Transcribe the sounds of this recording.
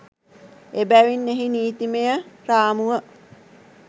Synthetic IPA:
ebæʋinːeɦiniːt̪imejəɾaːmuʋə

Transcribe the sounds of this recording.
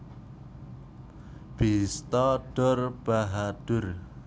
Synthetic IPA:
b̥ist̪ɔɖ̥ʊrb̥aɦad̥ʊr

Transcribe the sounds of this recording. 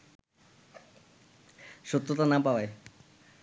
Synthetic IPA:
ʃut̪ːɾot̪anapabaj

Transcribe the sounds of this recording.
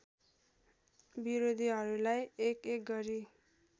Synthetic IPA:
biɾod̪ʱiɦʌɾulajekek̚ɡʌɾi

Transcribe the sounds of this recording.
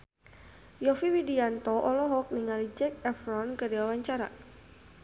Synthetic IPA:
jɔfiwidiant̪ɔʔɔlɔɦɔk̚niŋalid͡ʒɛk̚ɛfɾɔnkədiwawaɲt͡ʃaɾa̰

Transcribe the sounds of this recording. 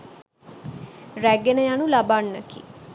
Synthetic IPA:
ræɡenəjanulabanːəkḭ

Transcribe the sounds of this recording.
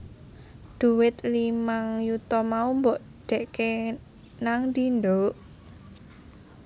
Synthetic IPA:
d̪̥ṳwɪt̪limaŋjut̪ɔmaumbɔʔ | ɖ̥ɛ̤ʔke | naŋd̪inɖoʔ

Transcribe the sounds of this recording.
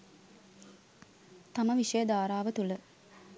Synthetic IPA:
t̪aməʋiʂəjəd̪aːɾaːʋət̪ulə

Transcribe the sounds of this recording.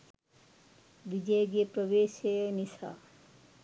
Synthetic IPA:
ʋid͡ʒejɡepɾəʋeːʃenisa̰

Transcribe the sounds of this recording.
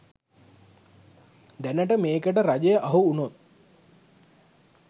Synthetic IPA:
d̪ænəʈəmeːkəʈəɾad͡ʒəjəʔaɦuːnot̪̚

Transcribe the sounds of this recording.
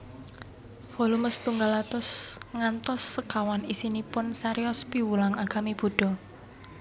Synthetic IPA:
fɔluməst̪uŋɡalat̪ʊsŋant̪ɔsːəkawanisinipʊnsaɾiɔspiwulaŋaɡ̥a̤meb̥o̤ɖ̥ɔ̤

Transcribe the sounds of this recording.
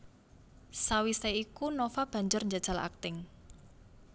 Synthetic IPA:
sawiseikunofab̥ä̤ɲd͡ʒʊrɲd͡ʒḁʒ̥äla̰k̚t̪ɪŋ

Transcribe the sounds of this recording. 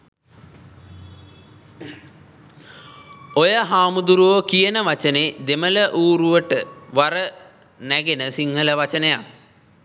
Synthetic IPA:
ojəɦaːmud̪uɾuʋəkijənəʋat͡ʃəned̪emələʔuːɾuʋəʈəʋaɾə | næɡenəsiŋɦələʋat͡ʃənəjak

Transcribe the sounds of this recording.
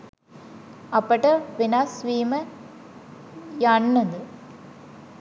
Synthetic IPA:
ɐpːɐʈːɐʋɪnaːsʋiːmɐ | jaːnːɐnd̪ɯ

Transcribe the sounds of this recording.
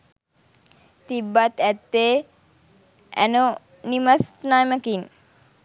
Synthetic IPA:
t̪ibːat̪ɛt̪ːeː | æ̰no | nimasnajməkin

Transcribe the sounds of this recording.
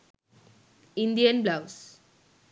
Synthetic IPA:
ɪ̃nd̪ijɐnblaʊs

